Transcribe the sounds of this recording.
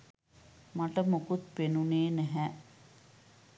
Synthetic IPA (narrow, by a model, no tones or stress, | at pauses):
maʈəmokut̪̚penuneːnæɦɛ